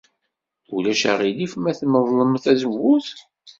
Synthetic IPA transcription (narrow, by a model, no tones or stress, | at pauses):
ulæʃæ̰ʁilifmæθməðˤləmθæzəvːuθ